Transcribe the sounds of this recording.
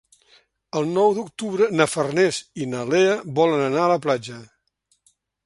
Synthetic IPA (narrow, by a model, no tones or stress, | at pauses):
əlˠnɔwd̪ukt̪uβɾənəfərnɛzinəleəβɔlənənaələplad͡ʒə